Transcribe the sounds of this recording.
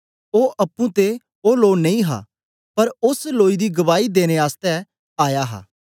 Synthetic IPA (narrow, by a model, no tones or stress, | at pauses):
oːʔɐpːũt̪e | oːloːnɐĩɦa̰ː | pɐɾʊsloːid̪iɡɐʋaːid̪eːñeaːst̪ɛ | aːjaɦa̰ː